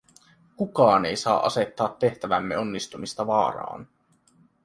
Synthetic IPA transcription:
kukɑːne̞jsɑːʔɑse̞t̪ːɑːt̪ːe̞ht̪æʋæmːeo̞nːist̪umist̪ɑʋɑːɾɑ̰ːn

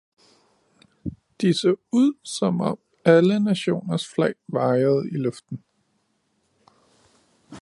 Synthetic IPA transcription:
d̥isɔ̰ːuð̰ˠsɒ̽mɒ̽m | ælənæɕo̝̰ːnɐsflɛɪʋɑ̈ɪɐð̞̩ˠilɔfd̥n̩

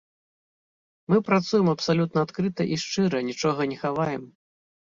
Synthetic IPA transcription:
mɨpɾat̪sujɛmɐpsalʲut̪nɐat̪kɾɨt̪ɐʔiʂt͡ʂɨɾɐnʲit͡ʂɔɣɐnʲɛxavajɛm

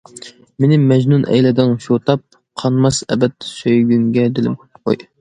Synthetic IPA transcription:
menɪmɛd͡ʒnunʔɛ̰jlɪd̪ɪŋʃot̪ʰɑp̚ | qʰɑnmɑsɛ̰bɛt̪ːsøjɡʲyŋɡʲɛd̪ɪlɪmkʲʰy̥qʰo̰j

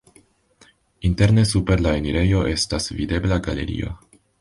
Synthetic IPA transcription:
inte̞ɾne̞supe̞ɾlaeniɾʔe̞jo̞ʔe̞stasvide̞blaɡale̞̰ɾḭo̞̰

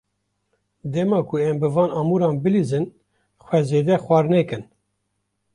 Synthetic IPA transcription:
d̪ɛmɑːkʰʊɛmbɨvɑːnɑːmuɾɑːnbɨlizɨn | xʷwɛzeːd̪ɛxwɑːɾnɛkɨn

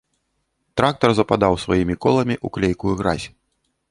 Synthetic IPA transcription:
t̪ɾak̚t̪ɐrzɐpad̪awsvajimʲikɔlˠɐmʲiʔuklʲejkuɣɾa̰zʲ

